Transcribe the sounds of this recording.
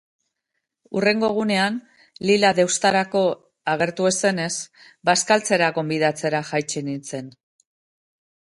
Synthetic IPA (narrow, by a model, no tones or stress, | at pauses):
ure̞ŋɡo̞ɣ̞une̞an | lilaðe̞wst̪aɾako̞ | aɣ̞e̞ɾt̪ue̞se̞ne̞s | baskalt͡se̞ɾaɣo̞mbiðat͡se̞ɾaxajt͡ʃenint͡se̞n